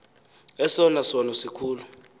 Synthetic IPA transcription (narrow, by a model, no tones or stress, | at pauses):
ɛsɔnasɔnɔsikʰuːlu